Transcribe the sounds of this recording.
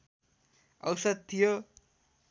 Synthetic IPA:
ʌ̰wsʌd̪̚t̪ʰijo

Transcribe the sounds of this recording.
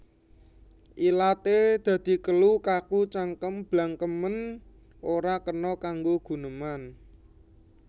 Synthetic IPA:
ʔilat̪ed̪̥ä̤d̪̥i̤kəlukakut͡ʃaŋkəmb̥laŋkəmən | ʔoɾakənɔkaŋɡoɡ̥ṳnəman

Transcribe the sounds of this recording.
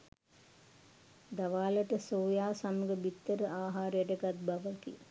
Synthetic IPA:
d̪aʋaːləʈəsoːjaːsamuɡəbit̪ːəɾəʔaːɦaːɾəjəʈəɡat̪̚baʋəkḭ

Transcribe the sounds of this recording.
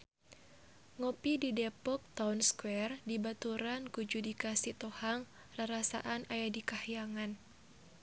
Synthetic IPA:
ŋɔpididɛpɔk̚t̪awnskwɛrdibat̪uɾankud͡ʒudikasit̪ɔhaŋ | raɾasa̰ʔanajadikahijaŋan

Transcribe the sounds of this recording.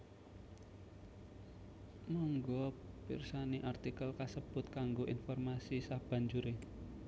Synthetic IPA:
mɔŋɡɔpḭrsaniʔart̪ikəlkasəb̥ʊt̪̚kaŋɡoʔinfɔrmasisab̥ä̤ɲd͡ʒuɾe

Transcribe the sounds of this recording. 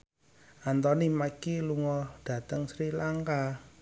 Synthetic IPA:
ʔant̪ɔnimakiluŋɔɖ̥ä̤t̪əŋsɾilaŋka

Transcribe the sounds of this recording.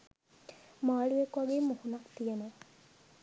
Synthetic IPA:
maːɭuekuaɡeːmuhunakt̪ijeno

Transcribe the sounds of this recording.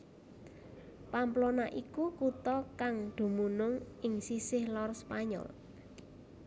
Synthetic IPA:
pamplonaʔikukut̪ɔkaŋd̪̥ṳmunʊŋɪŋsisɪhlɔrspaɲɔ̰l

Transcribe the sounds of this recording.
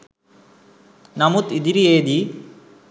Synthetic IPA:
nɐmut̪id̪iɾieːd̪i

